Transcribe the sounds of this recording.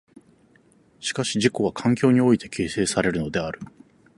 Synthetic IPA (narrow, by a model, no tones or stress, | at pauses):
ɕi̥kaɕiʑiko̞β̞akʰãŋkʲo̞ːɲ̟io̞it̪e̞̥kʰʲe̞ːse̞ːsaɾe̞ɾɯ̟no̞d̪e̞aɾɯ̟